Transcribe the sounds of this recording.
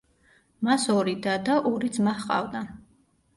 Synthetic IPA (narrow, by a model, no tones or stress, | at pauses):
masɔɾid̪ad̪aʔɔɾid̪zmaχqʼa̰vd̪a